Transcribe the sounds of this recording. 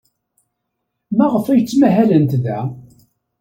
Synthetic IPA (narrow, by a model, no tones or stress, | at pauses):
mæʁəfæjt͡sːmæɦælənt̪ðæ